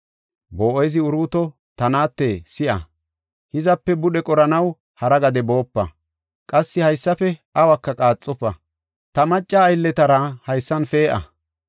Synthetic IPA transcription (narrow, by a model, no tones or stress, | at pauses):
boːʔɔjzɪʊɾuːt̪ɔ | t̪ɐnaːt̪ːeːsɪʔɐ̰ | hɪzɐpːɛbʊɗɛkʼɔɾɐnɐw | hɐɾɐɡɐd̪ɛbo̞ːpːɐ̰ | kʼɐsːɪhɐjsːɐfɛʔɐwɐkːɐkʼaːt͡sʼːɔpːɐ̰ | t̪ɐmɐt͡ʃʼːaːjlːɛt̪ɐɾɐhɐjsːɐnfeːʔɐ̰